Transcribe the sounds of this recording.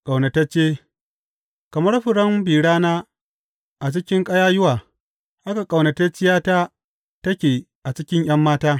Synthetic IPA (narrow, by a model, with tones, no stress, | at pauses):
kʼa˨wnɐ˨tɐ˦t͡ʃeː˦ | kɐ˨mɐ˦rɸɪ˨ɽɐ˦mbiː˨ɽaː˦naː˦ | ʔa˨t͡ʃɪ˦kʲɪ˦ŋkʼɐ˦jaː˦jʊ˦waː˨ | ʔa˦ka˨kʼa˨wnɐ˨tɐ˦t͡ʃɪ˦jaː˦taː˦ | tɐ˦kʲeː˨ | ʔa˨t͡ʃɪ˦kʲɪ˦ɲj̰ɐ˦mːaː˦taː˦